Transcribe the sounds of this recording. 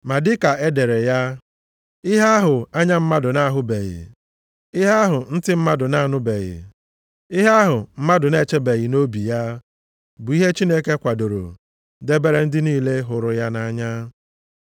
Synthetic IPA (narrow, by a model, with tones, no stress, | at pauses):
ma˨dɪ˦ka˨e˦de˨ɾe˨ja˦ | ɪ˦ɦa˦a˦ɦʊ˨a˦ɲa˦m̩˦ma˦dʊ˨na˦a˦ɦʊ˦be˨ɣɪ̰˨ | ɪ˦ɦa˦a˦ɦʊ˨n̩˦tɪ˦m̩˦ma˦dʊ˨na˦˨nʊ˦be˨ɣɪ̰ | ɪ˦ɦa˦a˦ɦʊ˨m̩˦ma˦dʊ˨ne˦t͡ʃe˦be˨ɣɪ˨no˦bi˨ja˦ | bʊ˨i˦ɦe˦t͡ʃi˦ne˦ke˦kʷa˨do˨ɾo̰˨ | de˦be˦ɾe˦n̩˦dɪ˦niː˦le˦ɦʊ˨ɾʊ˨ja˦na˦a˦ɲa˦